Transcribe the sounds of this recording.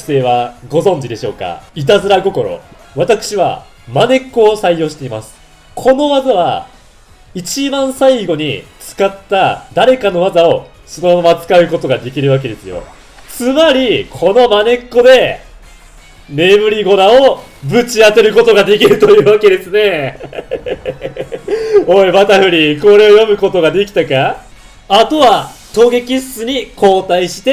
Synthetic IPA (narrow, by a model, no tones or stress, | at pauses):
se̞ːβaɡo̞zõ̞ɲ̟d͡ʑid̪e̞ɕo̞̰ːka̰it̪azɨɾaɡo̞ko̞ɾo̞̰ | βat̪akɯ̟̥ɕiβa̰ | mane̞kːo̞ːsaijo̞ːɕi̥t̪e̞imasɨ̥ | kʰo̞no̞βazaβa | it͡ɕibãɰ̃saiɡo̞ɲ̟it͡sɨ̥kat̪ːad̪aɾe̞kano̞βazao̞ | so̞no̞maamat͡sɨ̥kaɯ̟ko̞t̪o̞ɡad̪e̞kʲiɾɯ̟βak̬e̞d̪e̞sɨjo̞̰ | t͡sɨmaɾʲikʰo̞no̞mane̞kːo̞d̪e̞ | me̞mɯ̟ɾʲiɡo̞ɾao̞bɯ̟t͡ɕiat̪e̞ɾɯ̟ko̞t̪o̞ɡad̪e̞kʲiɾɯ̟t̪o̞jɯ̟ːβake̞d̪e̞sɨne̞ | oemat̪ahɯ̟ɾʲiko̞ɾe̞ojo̞mɯ̟ko̞t̪o̞ɡad̪e̞kʲi̥t̪aka | at̪o̞βat̪o̞ːɡe̞kʲisːɨɲ̟ikʰo̞ːt̪aiɕi̥t̪e